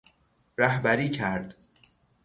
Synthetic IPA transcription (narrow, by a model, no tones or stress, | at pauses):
ɾæhbæɾiːcʰæɾd̪